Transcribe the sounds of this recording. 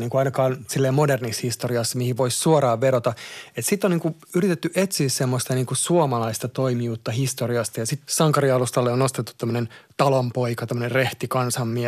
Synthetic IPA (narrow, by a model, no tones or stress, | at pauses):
niːŋkuɑinɑkɑːnsilːeːmodernishist̪oriɑsːɑmihiʋoissuoɾɑːʋʋeɾot̪ɑet̪sit̪ːˑoniːŋku | yrit̪et̪ːyʔet̪siːssemːost̪ɑniːŋkusuomɑlɑist̪ɑt̪oimijuːt̪ːɑhist̪oriɑst̪ɑjɑsit̪sɑŋkɑɾiɑlust̪ɑlːeonost̪et̪ːu̥t̪ːæmːønent̪ɑlompoikɑt̪æmːønerreht̪ikɑnsɑmːi